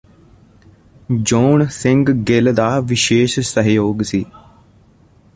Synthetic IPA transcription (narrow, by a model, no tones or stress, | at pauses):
d͡ʒoːnsɪ̃ŋɡɡɪld̪aːʋɪʃeːʃsəɦjoːɡsiː